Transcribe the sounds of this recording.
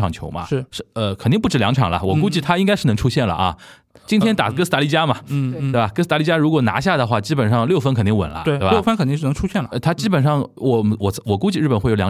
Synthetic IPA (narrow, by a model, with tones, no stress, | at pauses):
ɑ˨˩ŋt͡ɕʰjo˧˥ʊmɐ̰˧ʂɻ̩˥˩ʂ̩˥˩ə˧kʰə˨˩t̪i˥˧pu˥˩ʈ͡ʂɻ̩˥˩ljɑ˧˥ŋʈ͡ʂʰɑ˨˩ŋlɐ̰˦wɔ˨˩ku˥t͡ɕi˥˩t̪ʰa˥i˥ŋkɪʂ̩˥˩ɤ˧˥ʈ͡ʂʰu˥ɕjɛ˥˩nlə̰˩ʔɐ̰˧˩ | t͡ɕi˥nt̪ʰjɛ˥nt̪a˨˩kɤ˥sɹ̩˥˧t̪a˧˥li˥˩t͡ɕja˥mɐ˨t̪e˥˩ba˨˩kɤ˥s̬̩˥˧t̪a˧˥li˥˩t͡ɕja˥ɻu˧˥kwɔ˨˩na̰˧˥ɕ̬ja˥˩d̪ə˩xwa˥˩t͡ɕi˥pə˨˩nʂɑ˥˧ŋljo˥˩ʊfə˥nkʰə˨˩nt̪i˥˩wə̰˨˩nlə̰˦t̪we˥˧˥bfə˥nkʰə˨˩nt̪i˥˧˥n˧˥ʈ͡ʂʰu˥ɕjɛ˥˩nlə˨˩˧t̪ʰa˥t͡ɕi˥pə˨˩nʂɑ˥˩ŋwɔ˨˩wɔ˨˩wɔ˨˩ku˥t͡ɕi˥˧ɻ̩˥˩pə˨˩nxe˥˩o˧˩jɑ˧˥